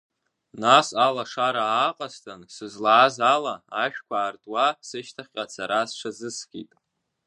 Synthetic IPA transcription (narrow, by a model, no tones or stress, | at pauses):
nasalaʂaɾaːqʼastʰansɨzlaːzalaaʃᶣkʷaːrtʼwasɨʃtʰaχʲqʼat͡sʰaɾasʈ͡ʂʰazɨskʲʼḭtʼ